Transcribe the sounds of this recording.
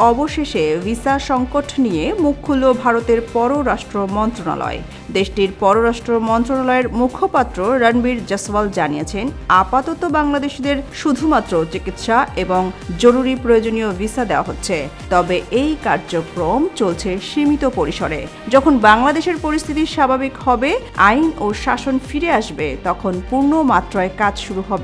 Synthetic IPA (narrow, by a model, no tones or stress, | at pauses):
ɔboʃeʃevisaʃɔŋkoʈʰnijemukʰːulːobʱaɾot̪eɾpɔɾoɾaʃʈɾomɔnt̪ɾona̰lɔ̰e | d̪eʃʈiɾpɔɾoɾaʃʈɾomɔnt̪ɾonalɔeɾmukʰopat̪ːɾoɾənbiɾd͡ʑəsald͡ʑanijet͡ɕʰenapat̪ɔt̪obaŋlad̪eʃd̪eɾʃud̪ʱumat̪ːɾot͡ɕikit̪ʃaeboŋd͡ʑoɾuɾipɾojod͡ʑoniovisad̪eoa̰ɦotːɕʰet̪ɔbeʔejkaɾd͡ʑokɾomt͡ɕolt͡ɕʰeʃimit̪opoɾiʃoɾḛ | d͡ʑɔkʰonbaŋlad̪eʃeɾpoɾist̪ʰit̪iʃabʱabikhɔbe | ajnoʃaʃonfiɾeaʃbet̪ɔkʰonpuɾnomat̪ːɾoekad͡ʑʃuɾuɦɔbe